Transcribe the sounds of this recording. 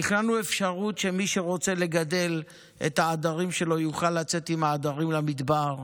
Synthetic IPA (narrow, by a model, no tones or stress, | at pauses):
iχnanuefʃaʁutʃe̞miʃeʁo̞t͡se̞le̞ɡade̞l | ḛt̪haːdaʁimʃe̞lo̞juχalːat͡se̞t̪imaːd̪aʁimlamid̪baʁ